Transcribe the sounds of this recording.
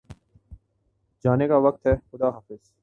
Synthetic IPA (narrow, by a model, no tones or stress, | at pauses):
d͡ʒaːnekaʋɐk̚t̪ɦɛːxʊd̪aːɦaːfɪz̥